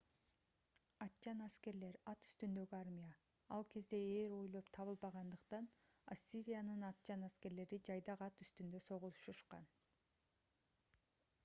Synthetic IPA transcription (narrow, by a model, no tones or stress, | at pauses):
ɑt̪t͡ʃɑnaske̞ɾle̞ɾɑt̪y̥st̪ynd̪ø̞ɡyɑɾmʲija | ɑ̰lˠkʰe̞zd̪e̞eɾo̞jlˠo̞pt̪ʰɑβɯlˠbɑʁɑnd̪ɯqt̪ɑnasʲːiɾʲijanɯnɑt̪̚t͡ʃɑnaske̞ɾle̞ɾid͡ʒɑjd̪ɑqɑt̪yst̪ynd̪ø̞so̞ʁulˠʃuʃqɑ̰n